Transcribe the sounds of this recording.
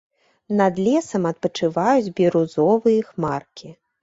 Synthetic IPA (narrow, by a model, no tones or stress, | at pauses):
nɐd̪lʲɛsɐmɐt̪̚pɐt͡ʂɨvajud͡zʲbʲiɾuzɔvɨjɐxmarkʲʰi